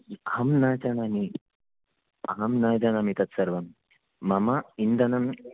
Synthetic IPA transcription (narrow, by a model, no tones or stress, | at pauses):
ɐɦɐmnaːd͡ʒɐnani | ɐɦɐmnaːjd̪ɐnɐmit̪ɐt̪sɐɾʋɐmː | ɐmaind̪ɐnɐm